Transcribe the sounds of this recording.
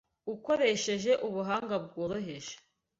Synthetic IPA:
uko̞ɾeʃe̞ʒe̞ʔuβuɦaːŋɡab̚ɡoːɾoɦe̞ʒe̥

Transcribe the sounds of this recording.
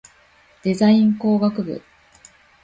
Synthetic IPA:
d̪̥e̞zaĩŋko̞ːɡakɯ̟bɯ̰

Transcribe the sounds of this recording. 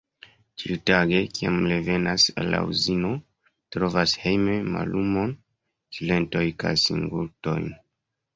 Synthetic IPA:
t͡ʃitaɡe̞kia̰mleve̞nasa̰lːa̰uzino̞ | tɾo̞vashe̞jme̞ma̰lʔumo̞n | sile̞nto̞jka̰jsḭŋɡulto̞̰jn

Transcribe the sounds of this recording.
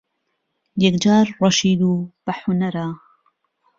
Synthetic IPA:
jɛkd͡ʒaːɾɾɑʃiːd̪uːb̥ɐħʊnaɾaː

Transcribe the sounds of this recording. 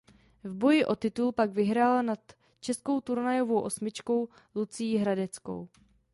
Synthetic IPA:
vbo̞jɪʔo̞t̪ɪt̪ulpaɡvɪɦɾaːlanat̪ | t͡ʃɛsko̞wt̪uɾnajo̞vo̞wʔo̞smɪt͡ʃko̞w | lut͡sɪjiɦɾadɛt͡sko̞̰w

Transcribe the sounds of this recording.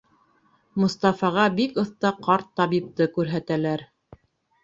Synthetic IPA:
mŏst̪ɑfɑʁɑbikɤ̆θt̪ɑqɑɾt̪ːɑβip̚t̪ɤkʉɾɦæt̪ælæɾ

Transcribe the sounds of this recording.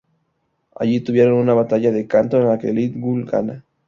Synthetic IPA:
a̰ʝit̪uβje̞ɾo̞nunaβat̪aʝaðe̞kant̪oenlakelit̪ɡulɡa̰na

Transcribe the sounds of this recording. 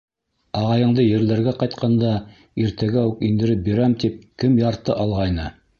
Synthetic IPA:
ɑʁɑjɤ̆ɴd̪ɤjɘ̆ɾlæɾɡæqɑjt̪qʰɑnd̪ɑ | iɾt̪æɡæʉkind̪ɘ̆ɾɘp̚biɾæmt̪ip̚kɘmjɑɾt̪ɤʔɑlˠʁɑjnɤ

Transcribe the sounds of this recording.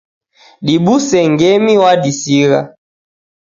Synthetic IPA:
ɗiɓusɛŋɡɛmiwaɗisiɣa

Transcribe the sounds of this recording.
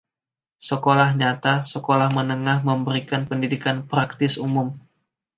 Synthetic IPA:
səkolahɲat̪asəkolahmənəŋahməmbəɾikanpəndidikanpɾak̚t̪ɪsumʊm

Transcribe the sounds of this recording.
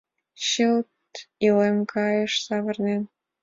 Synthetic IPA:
ɕəlt̪ | ilemkʰɑjə̆ʃsɑβɤ̆rnen

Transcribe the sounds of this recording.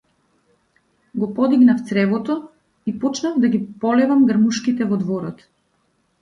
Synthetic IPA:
ɡɔpɔd̪iɡnaft̪sɾɛvɔt̪ɔ | ipɔt͡ʃnavd̪aɡipɔlɛvamɡaɾmuʃkit̪ɛvɔd̪vɔɾɔt̪

